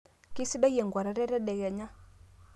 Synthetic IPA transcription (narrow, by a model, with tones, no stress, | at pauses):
ki˦si˦ɗa˦jɛ˨ŋɡwa˨ɾa˨˦ɾɛ˦ɾɛ˦ɗɛ˨kɛ˨ɲa˦